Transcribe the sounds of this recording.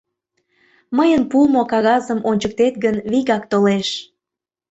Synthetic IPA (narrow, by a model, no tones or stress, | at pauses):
məjənpumokɑɣɑzəmʔonʲt͡ɕək̚t̪et̪ɡənβiɣɑkt̪oleʃ